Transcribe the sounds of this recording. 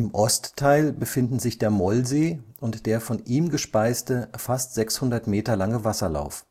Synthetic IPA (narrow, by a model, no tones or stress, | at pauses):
ʔɪmʔɔstʰːaɪlbəfɪndn̩zɪçd̥eːɐmɔlzeːʔʊntd̥eːɐfɔniːmɡəʃpaɪstəfastz̥ɛkshʊndɐtmeːtɐlaŋəvasɐla̰ʊf